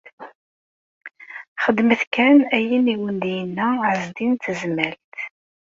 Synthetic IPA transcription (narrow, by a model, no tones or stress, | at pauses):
χəd̪məθkænæjiniwənd̪jənːæʕəzd̪int̪əzmælt̪